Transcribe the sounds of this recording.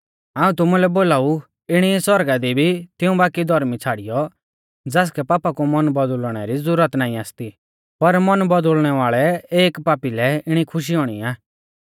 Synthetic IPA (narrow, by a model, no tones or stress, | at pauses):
aːũt̪ʊmulɛboːlaːu | ɪɽ̃iɛsɔɾɡad̪ibʱit̪ɪũbaːkid̪ʱɔɾmit͡sʰaːɽijɔ | d͡zaːs̬kɛpaːpakumɐnbɔd̪lɽ̃ɛɾizʊɾət̪naːĩaːst̪i | pɐɾmɐnbɔd̪ʊlɽ̃ɛʋaːɭɛeːkpaːpilɛɪɽ̃ikʰʊʃ̬iɦɔːɽ̃ḭaː